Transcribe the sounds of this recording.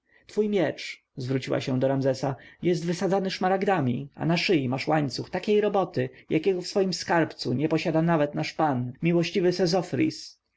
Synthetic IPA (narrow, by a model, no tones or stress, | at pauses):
t̪fujmʲjɛt͡ʂ | zvɾut͡ɕiwa̰ɕɛ̃d̪ɔɾamzɛsajɛst̪vɘsad̪zanɘʂmaɾaɡd̪amʲḭʔa̰naʂɘjimaʂwaɲt̪suxt̪akʲejɾɔbɔt̪ɘjʔakʲɛɡɔfsfɔjimskaɾpt̪suɲɛpɔɕad̪anavɛt̪naʂpanmʲiwɔɕt͡ɕivɘsɛzɔfɾʲḭs